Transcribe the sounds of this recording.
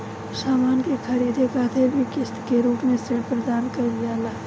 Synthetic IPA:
saːmaːnkekʰɐɾiːd̪ʱekaːt̪ʰebʱikɪst̪keɾuːpmẽsɪɽpɾəd̪aːnkɐɾaːlaː

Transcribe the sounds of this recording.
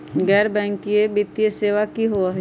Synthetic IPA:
ɡɛːɾbɛ̃ːŋkiebɪt̪ːijəseːʋakiɦoa

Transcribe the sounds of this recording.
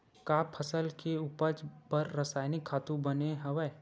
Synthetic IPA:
kaːpʰəsəlkeuːpəd͡ʒpəɾːɐsaːjnɪkʰːaːt̪ũbɐneɦɐʋɛː

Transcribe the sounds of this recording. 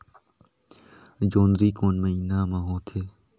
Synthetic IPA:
d͡ʒoːnd̪ɾiːkoːnməiːnaːmãːɦõːt̪ʰeː

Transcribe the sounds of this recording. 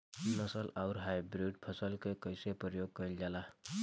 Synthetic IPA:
nʌsʌlawɾɦajbɾiɖ̚pʰʌsʌlkʌjkʌjsepʌɾjoɡ̚kʌjld͡ʒala

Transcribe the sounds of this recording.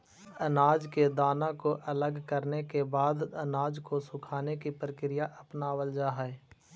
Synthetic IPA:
ɐnaːd͡ʒked̪aːnãkoʔɐləɡkəɾnekebaːd̪ɐnaːd͡ʒkosʊkʰaːnekipɾəkɾɪjaʔɐpnaːwəld͡ʒaːɦɛɛ

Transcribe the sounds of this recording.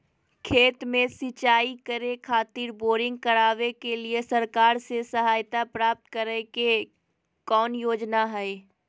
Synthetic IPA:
kʰeːt̪mẽsɪt͡ʃaːikəɾekʰaːt̪iːɾboːɾɪ̃ŋɡ̚kəɾaːʋekeliesəɾkaːɾsesəɦaːjt̪apɾaːp̚t̪kəɾeke | kɔːnjoːd͡ʒnaɦɛe

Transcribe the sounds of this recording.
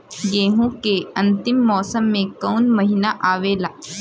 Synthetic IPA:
ɡeːɦũkeɐ̃nt̪ɪmːɔːsəmːẽkɔːnmɐɦɪnaʔaːʋeːlaː

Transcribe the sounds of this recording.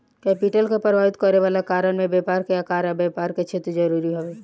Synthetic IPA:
kɛːpɪʈəlkepəɾʋaːɪt̪kəɾeʋaːlakaːɾəɽ̃mẽbɛːpaːɾkeaːkaːɾabɛːpaːɾket͡ʃʰeːt̪ɾd͡ʒɐɾuːɾiɦoe

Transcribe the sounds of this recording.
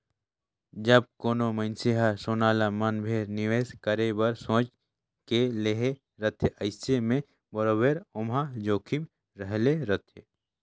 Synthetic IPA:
d͡ʒɐb̚koːnoməɪnsiɦasoːnaːlamɐnbʱeːɾnɪʋeːskəɾebɐɾsõːt͡ʃ | keleɦe | ɾət̪ʰeʔɐɪsemẽ | bəɾoːbeːɾʊmɦad͡ʒoːkʰim | ɾəɦleɾət̪ʰḛ

